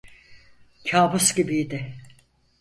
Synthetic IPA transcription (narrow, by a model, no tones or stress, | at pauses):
cʰaːbusɟibid̪ɪ